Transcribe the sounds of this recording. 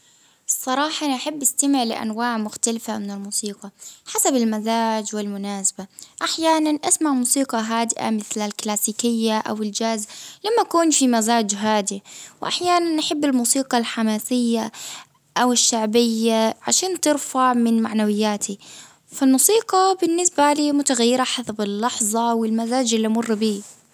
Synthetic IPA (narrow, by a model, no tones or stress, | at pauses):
sˤːɑɾˤɑːħɑnaħabːʔɪst̪amɪʕlɪ̰ʔa̰nwaːʕmʊxt̪alɪfamɪnɪlmuːsiːqɑħasabɪlmazaːd͡ʒwɪlmʊnaːsḁbaʔaħjaːnanʔasmaʕmuːsiːqɑɦaːd̪ɪʔa̰mɪθlalklaːsiːkɪjːaʔa̰wɪld͡ʒazlamːaʔakuːnfimazaːd͡ʒɦaːd̪iwʔa̰ħjaːnanːaħɪbːɪlmuːsiːqɑlħamaːsɪjːa | ʔawɪʃːaʕbɪjːaʕaʃaːnt̪ɪɾfaʕmɪnmaʕnawɪjːaːt̪ʰi | falmuːsiːqɑbɪnːɪsbaliːmʊt̪aɣajːɪɾaħasabɪlːɑħðˤɑwɪlmazaːd͡ʒʔɪlːimʊrˤːbiː